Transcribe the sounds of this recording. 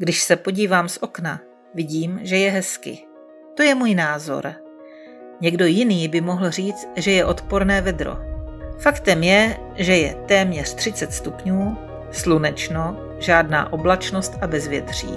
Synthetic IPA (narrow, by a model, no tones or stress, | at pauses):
ɡdɪʃsɛpo̞ɟiːvaːmsʔo̞kna | vɪɟiːmʒɛjɛɦɛskɪ̰ | t̪o̞jɛmuːjnaːzo̞̰ɾ | ɲɛɡdo̞jɪniːbɪmo̞ɦl̩riːt͡st̪ʒɛjɛʔo̞t̪poɾnɛːvɛd̪ɾo̞̰fakt̪ɛmjɛʒɛjɛt̪ɛːmɲɛr̝̥t̪r̝̥ɪt͡sɛt̪st̪upɲuː | slunɛt͡ʃno̞ | ʒaːdna̰ːʔo̞blat͡ʃno̞st̪ʔabɛzvjɛd̪r̝̥ḭː